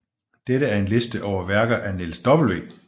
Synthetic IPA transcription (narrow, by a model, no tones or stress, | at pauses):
d̥eɾəæɐe̝nle̝sd̥əʔɒʊɐʋæɐɡ̥ðˠænelsd̥ɒ̽b̥l̩ʋe̝̰ː